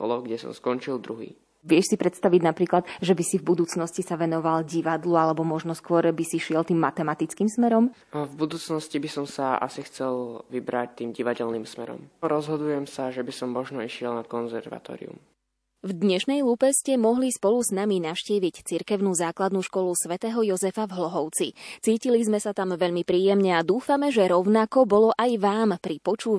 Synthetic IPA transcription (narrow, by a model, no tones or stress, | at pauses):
kɔ̰lɔɡɟɛsɔ̰mskɔnt͡ʃilˠd̪ɾuɦḭː | ʋɪɛʃsipɾɛt̪st̪aʋiɟnapɾiːklad̪ʒɛbisivbud̪uːt͡snɔscisaʋɛnɔʋalɟiʋad̪lualɛbɔmɔʒnɔskʊɔɾbisiʃɪɛlt̪iːmːat̪ɛmat̪it͡skiːmsmɛɾɔm | vbud̪uːt͡snɔscibisɔmsaa̰sixt͡sɛlʋibɾac̚t̪iːmɟiʋaɟɛlniːmsmɛɾɔ̰mɾɔzɦɔd̪ujɛmsaʒɛbisɔmːɔʒnɔiʃɪɛlnakɔnzɛɾʋa̰t̪ɔ̰ːɾḭṵm | vd̪ɲɛʃnɛjluːpɛscɛmɔɦlispɔluznaminaʃciːʋict͡siɾkɛʊnuːzaːklad̪nuːʃkɔlusʋɛt̪ɛːɦɔjɔzɛfavɦlɔɦɔʊt͡sit͡siːcilizmɛsat̪amʋɛʎmipɾiːjɛmɲɛad̪uːfamɛʒɛɾɔʊnakɔbɔlɔʔajʋaːmpɾipɔt͡ʃuː